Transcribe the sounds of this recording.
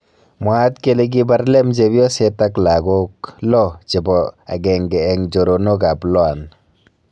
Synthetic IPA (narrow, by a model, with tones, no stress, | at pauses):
mwa˦tke˦le˦ɡ̬i˦ba˦ɾlɛ˦md͡ʒe˨bjɔ˦sɛ˦ta˦kla˨ɡo˦klɔ˦t͡ʃi˨bɔ˨a̰˨ɡɛ˨ŋɡɛː˨ŋd͡ʒo˨ɾo˨no˦ka˨plɔ˦a˨n